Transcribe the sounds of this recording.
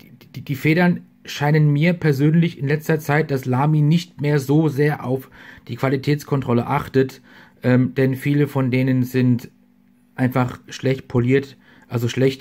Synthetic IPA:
d̥iːfeːɾɐn | ʃaɪnənmiːɐpʰɛɐzøːnlɪçɪnlɛt͡stɐt͡saɪt̚d̥aslaːminɪçtmeːɐzoːzeːɐʔaʊfd̥iːkv̥alitʰɛːt͡skʰɔntʁ̥ɔləʔaχtətʔɛːmd̥ɛnfiːləfɔndeːnənzɪnt | ʔaɪnfaχʃlɛçt̚pʰoliːɐt | ʔalzoʃlɛçt

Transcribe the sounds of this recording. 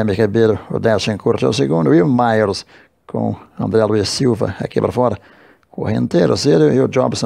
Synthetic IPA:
mikabeɾʊʊ̰d̪ɛst͡ʃẽkuɾt̪ʊa̰wseɡũnd̪ʊiʊmajoɾs | kʰõ̰ɐ̰̃nd̪ɾɛluisiwvɐ̰a̰kipaɾɐfɔɾɐ | kõhḛ̃nt̪eɾʊsɛɾjʊɪʊd͡ʒɔ̰bsõ

